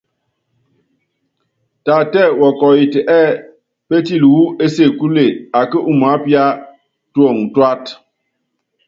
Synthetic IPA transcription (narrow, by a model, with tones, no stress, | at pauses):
ta˨tɛ˦˨wɔ˨kɔ˨ji˨tɛ˨ʔɛ˦˨ | pe˦ti˦˨lwu˦e˦se˦˨ku˦le˨a˨kə˦ʔu˦˨ma˨˦pja˦ | two˦˨ŋtwa˦t